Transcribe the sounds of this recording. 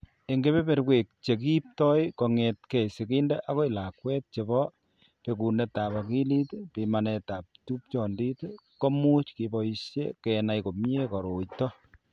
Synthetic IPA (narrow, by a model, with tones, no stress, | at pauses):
e˨ŋɡe˦βe˦pe˨ɾkwe˨k̚t͡ʃe˨ki˦p̚tɔ˦jko˨ŋɛtkɛ˨si˨kindeʔa˦ko˦ila˨kwɛ˦t̚t͡ʃe˨bɔ | pe˨ku˨ne˨ta˨ba˨ki˦li˦tpimanɛta˨p̚tu˦p̚t͡ʃɔ˨ndi˦tko˦mu˦t͡ʃkibɔiʃjḛ˦kɛna˨jko˨m˦e˦kɔ˨ɾo˨jtɔ